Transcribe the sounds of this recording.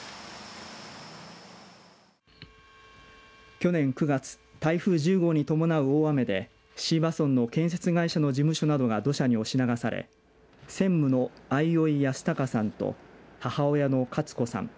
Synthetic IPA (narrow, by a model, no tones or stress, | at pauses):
kʲo̞nẽ̞ŋkɯ̟ɡat͡sɨ̥t̪aiɸɯ̟ːʑɨːɡo̞ɲ̟it̪o̞mo̞naɯ̟oːame̞d̪e̞ | ɕiːbasõ̞nːo̞kẽ̞ɰ̃s̬e̞t͡sɨɡaiɕano̞d͡ʑimɯ̟ɕo̞nad̪o̞ɡad̪o̞ɕaɲ̟io̞ɕinaɡasaɾḛ | sẽ̞mːɯ̟no̞aio̞ijasɨ̥t̪akasãnt̪o̰hahao̞jano̞kʰat͡sɨ̥ko̞sã̰ŋ